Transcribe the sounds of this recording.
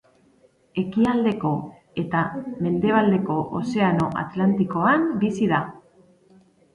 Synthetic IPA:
e̞kiald̪e̞ko̞ | e̞t̪ame̞nd̪e̞β̞ald̪e̞ko̞ʔo̰se̞ano̞ʔa̰t̪lant̪iko̞ambisiða

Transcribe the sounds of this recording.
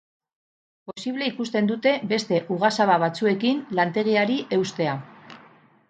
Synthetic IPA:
po̞siβ̞le̞ikust̪e̞nd̪ut̪e̞be̞st̪e̞ʔuɣasaβaβ̞at͡sue̞kinlant̪e̞ɣ̞iaɾiʔe̞wst̪e̞a

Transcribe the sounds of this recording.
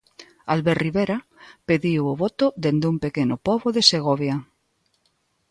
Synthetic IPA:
alβeɾriβeɾapeðiwoβot̪oðend̪umpekenopoβoðeseɣ̞oβja

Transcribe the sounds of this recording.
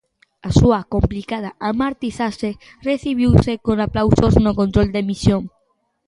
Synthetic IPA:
asuakomplikað̞aʔamaɾt̪iθase | reθiβ̞iwsekonaplawsoznokont̪ɾold̪emisjoŋ

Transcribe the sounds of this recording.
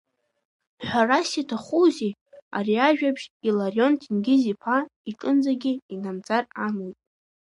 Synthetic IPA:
ħᶣʷarasitʰaχuzi | a̰ɾiaʒᶣapʰʃilarjo̞ntʰinɡʲɪzipʰaiʈ͡ʂʼɨnd͡zaɡʲiinamd͡zaramojtʼ

